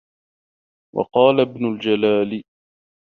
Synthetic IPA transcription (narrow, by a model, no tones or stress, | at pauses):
wɑ̰qɑːlabnʊld͡ʒalaːlɪ